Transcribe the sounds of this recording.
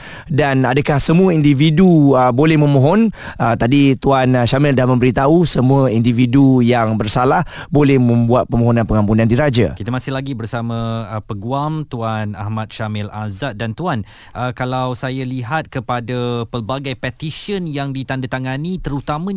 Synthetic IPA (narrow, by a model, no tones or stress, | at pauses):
danadəkahsəmuəindividuəbolɛhmə̃mõɦɔnət̪adit̪uanʃamɪldahmə̃mbəɾit̪ausəmuəindividujaŋbərsalahbolɛhmə̃mbuat̪̚pəmõɦonãnpəŋampunãndiɾad͡ʒa̰kit̪əmasɪhlaɡibərsamãpəɡuamt̪uana̰hmat̪̚ʃamɪlazat̪̚dant̪uan | ʔəkalawsajaliɦat̪̚kəpadapəlbaɡajpɛt̪iʃənjaŋdit̪andat̪aŋanit̪əɾut̪amã